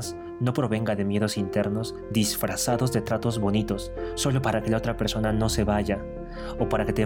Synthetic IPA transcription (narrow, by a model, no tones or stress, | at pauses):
s | no̞pɾo̞βe̞ŋɡaðe̞mje̞ðo̞sint̪e̞ɾno̞z | d̪isfɾasaðo̞zðe̞t̪ɾat̪o̞zβo̞nit̪o̞sːo̞lo̞paɾake̞lao̞t̪ɾape̞ɾso̞nano̞se̞βaʝa | opaɾake̞t̪e